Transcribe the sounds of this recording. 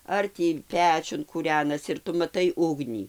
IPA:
ˈɐr tʲiː ˈpʲæːt͡ʃʲʊn kuːˈrʲæːnɐsʲɪ ɪr ˈtʊ mɐˈtɐɪ ˈʊɡnʲiː

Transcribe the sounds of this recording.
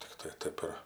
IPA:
tʲɪkˈtɐɪ ˈtɐɪp ɪr

